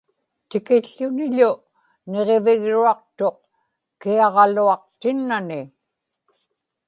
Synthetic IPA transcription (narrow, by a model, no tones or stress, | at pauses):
t̪ɪkɪɬːʊnɪʎʊ | ne̞ʁe̞vɪɣɻuɑq̚t̪o̞q̚ | kiɑʁɑluɑq̚t̪ɪnːanɪ